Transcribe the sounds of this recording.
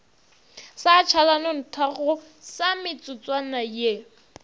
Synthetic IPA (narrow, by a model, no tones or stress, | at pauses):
sat͡ʃʰalanɔn̩tʰaɣʊ | samɪt͡sʼʊt͡sʼwanaje